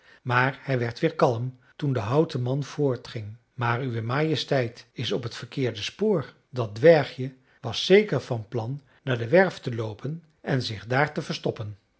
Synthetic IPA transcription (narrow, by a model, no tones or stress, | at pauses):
maːɹhɛjʋɛɹtʋɪːɹkɑlˠəm | tundəɦʌwtəmɑnv̥ʊːɹtχɪŋ | maːɹyʋəmaːjəstɛjtɪsɔpɦətfəɹkɪːɹdəspoːɹ | dɑdʋɛɹχjə | ʋɑsːejkəɹvɑnplɑnː | aːdəʋɛɹftəlowpʰən | ʔɛnzɪχdaːɹtəvəɹstɔpən